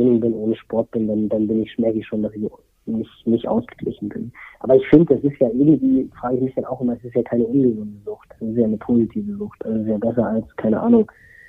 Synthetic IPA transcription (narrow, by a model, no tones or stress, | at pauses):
ɪnɪŋbɪnʔoːnəʃpɔɐt̚b̥ɪndandanbɪnɪçmɛɐkɪçʃoːndasɪç | nɪçnɪçtʔa̰ʊsɡ̥ə̥ɡlɪ̰çn̩bɪ̰nʔa̰ːbɐɪçfɪndəd̥asɪstjaːʔɪɐɡŋ̩tv̥iːfʁ̥aːɡəɪçmɪçd̥anaʊxʔɪmɐɛsɪstjaːkʰaɪnəʔʊnɡəzʊntəzʊxtɛsɪstjaːnəpʰoːzitʰiːvəzʊxtd̥ɛsɪs̬tjaːbɛs̬ɐalskʰaɪnəʔa̰ːnʊŋ